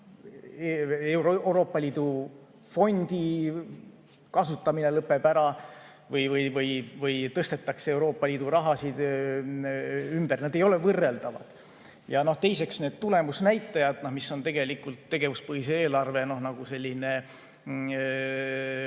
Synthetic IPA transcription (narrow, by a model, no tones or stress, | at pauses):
eewɾeɾo̞ːpːˑɑlʲiːd̪u | fo̞nʲd̪̥i | kɑsut̪ːˑɑmine̞lɤpːe̞bæɾɑ | vɤjvɤjvɤjvɤjt̪ɤst̪e̞t̪ːˑɑkseewɾo̞ːpːɑlʲiːd̪̥uɾɑɦɑsid̪̥ | ymbærnɑd̪e̞jo̞le̞vɤrːe̞ld̪ɑvɑ̰d̪̥ | jɑno̞ht̪e̞jse̞ksne̞ːd̪̥t̪ule̞musnæjt̪ːˑɑjɑd̪̥nohmisːo̞nt̪e̞ɡ̥e̞likult̪ːe̞ɡe̞vuspɤɦiseeːlɑrve̞no̞hnɑɡ̥use̞lʲːine̞